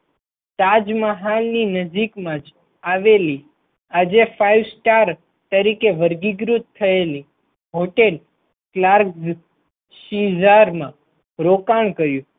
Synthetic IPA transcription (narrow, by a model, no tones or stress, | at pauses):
t̪ad͡ʒmaɦalninəd͡ʒikmãd͡ʒ | aʋeli | ad͡ʒefʰaiʋsʈaɾ | t̪əɾikeʋəɾɡiɡɾut̪ʰːəeli | ɦoʈel | klaɾkz | ʃizaɾmã | ɾokaɳkəɾjũ